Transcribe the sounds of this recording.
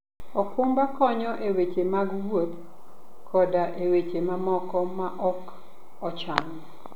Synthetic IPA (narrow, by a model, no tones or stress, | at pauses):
ɔkʊmbakɔɲɔʔewet͡ʃemaɡwwop̚ | kʰɔdaʔewet͡ʃemamɔkɔmaʔɔk | ɔt͡ʃaŋɔ